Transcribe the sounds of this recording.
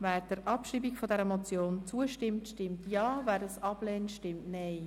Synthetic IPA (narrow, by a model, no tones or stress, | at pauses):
væːɾd̥əɾʔɑpʃiːbikfɔdɛɾəmot͡sjoːnt͡suəʃtɪmtʃtɪmtjɑːvæːɾəsɑb̥lɛːntʃtɪmtnɛɪj